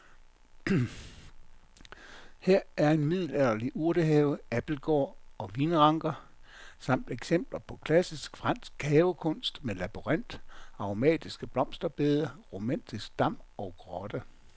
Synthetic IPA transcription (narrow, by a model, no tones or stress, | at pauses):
heɐ̰æɐe̝nmið̰ˠl̩æð̰ˠɐliʔuɐɾ̥əɦɛːʊæb̥l̩ɡ̥ɒ̰ːɒ̽ʋiːnəʁɑ̈ŋɡ̥ɐ | sɑ̈m̰d̥eɡ̥sem̰b̥lɐpʰɒ̽kʰlæsisɡ̥fʁɑ̈n̰sɡ̥̚hɛːʊkʰɔ̽n̰sd̥melæb̥uʁan̰d̥ɑ̈omɛ̰ːd̥isɡ̥əb̥lɒ̽m̰sd̥ɐb̥e̝ːð̞ˠɐʁo̝mæn̰d̥isɡ̥̚d̥ɑ̈m̰ɒ̽ɡ̥ʁɒd̥ə